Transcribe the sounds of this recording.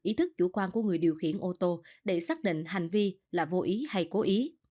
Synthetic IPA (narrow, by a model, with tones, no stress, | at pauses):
ʔi˨˦t̪ʰɨ˦˥k̚t͡ɕu˧˩kwaː˧nku˧˩əŋɨ˨˩əjɗi˨˩əwxḭ˧˩ənʔo˧t̪o˧ɗe˧˩saː˦˥k̚ɗḭ˧˨ŋ̟ɦa˨˩jŋ̟vi˧laː˨˩vo˧ʔi˨˦ha˧jko˨˦ʔi˨˦